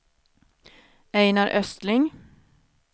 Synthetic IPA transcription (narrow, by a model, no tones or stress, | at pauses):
ɛjnaɾʔœst̪lɪŋ